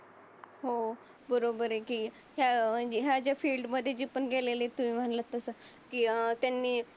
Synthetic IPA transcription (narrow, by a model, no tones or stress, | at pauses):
ɦo | bəɾobəɾekiː | ɦjad͡ʑeɦjad͡ʑjafiːlɖməd̪ʱːjed͡ʑipəɳɡelelet̪umĩːm̤əɳlət̪əsə | kiːt̪janːiː